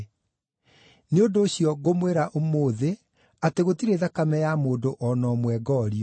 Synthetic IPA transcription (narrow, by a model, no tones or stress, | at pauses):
neondoːɕjɔɣomweɾaʔomoːðe | ateɣotiɾeðakamɛjamoːdoʔɔnɔmwɛɡɔɾiɔ